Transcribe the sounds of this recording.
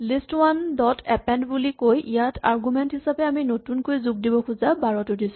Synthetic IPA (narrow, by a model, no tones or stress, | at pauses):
listwandɔtʰɛpɛndbulikojʔijatʰa̰ɹɡumɛntɦisapɛaminotunkojzuɡ̚dibɔxuzabaɹɔtʊdisʊ